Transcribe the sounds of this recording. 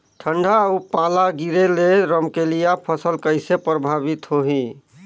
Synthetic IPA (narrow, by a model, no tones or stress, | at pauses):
ʈʰəɳɖʱaupalaɡiɾeleɾəmkelijapʰəsəlkəjsepɾəbʱabit̪ɦoɦĩ